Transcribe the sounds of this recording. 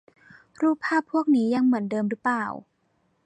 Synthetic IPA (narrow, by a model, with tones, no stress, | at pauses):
ɾuː˥˩pʰːaː˥˩pʰːu˥˩ək̚niː˦˥ja˧ŋmɯ˩˦əndɤː˧mɾɯ˦˥plaː˧˨˩w